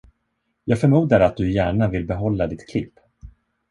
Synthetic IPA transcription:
jɑːɡfœɾmuːd̪aɾat̪̚d̪ɵjæːɳavɪlbɛɦɔlːad̪ɪt̪kʰlɪpː

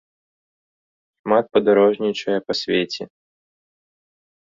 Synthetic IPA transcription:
xmat̪̚pɐd̪aɾɔʐnʲit͡ʃɐjɐpɐsʲvʲet͡sʲɛ

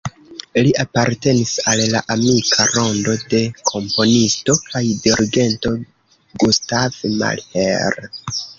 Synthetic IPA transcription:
liapaɾte̞nisalla̰ʔamikʰaɾo̞ndo̞de̞kʰo̞mpo̞nisto̞kajdiɾiɡe̞nto̞ | ɡustav̥ma̰lhḛɾ

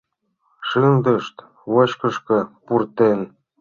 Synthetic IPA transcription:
ʃɯnd̪ə̆ʃt̪ | βot͡ɕkə̆ʃkɤ̆purt̪en

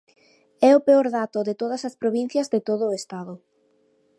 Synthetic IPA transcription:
ɛopeoɾðat̪ʊðɪt̪oð̞ɐsɐspɾoβin̟θjɐzðet̪oðʊest̪aðʊ

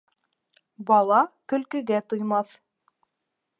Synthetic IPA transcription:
bɑlˠɑkɵ̆lkɘ̆ɡæt̪ujmɑθ

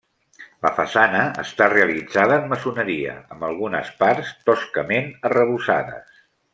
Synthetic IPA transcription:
ləfəsanəə̰st̪areəlid͡zaðəːmːəsunəɾiə̰əmbəlˠɣ̞unəspaɾst̪ɔskəmenərəβusa̰ðə̰s

